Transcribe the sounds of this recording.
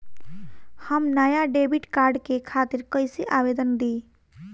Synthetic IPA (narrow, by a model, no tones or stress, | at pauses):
həmnəjaɖebiʈkaɾɖkekʰat̪iɾkəjsiʔabed̪ənd̪i